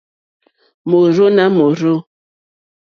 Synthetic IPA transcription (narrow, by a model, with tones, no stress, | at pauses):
mo˨ɾo˦na˦mo˨ɾo˦